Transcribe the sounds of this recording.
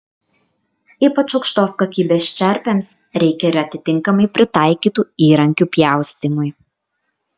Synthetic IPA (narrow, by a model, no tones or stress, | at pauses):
iːpɐt͡ʃɐʊkʃt̪oːskokʲiːbʲeːst͡ʃʲɛɾʲpʲeːms | ɾʲɛɪkʲɛɪɾɐt̪ʲɪt̪ʲɪŋˑkɐmɐɪpʲɾʲɪt̪ɑˑɪkʲiːt̪uːiːɾɐŋʲkʲupʲjæˑʊsʲt̪ʲimʊɪj